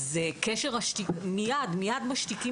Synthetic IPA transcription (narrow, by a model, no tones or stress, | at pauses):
zekeʃeʁaʃt̪imijadmijadmaʃt̪iki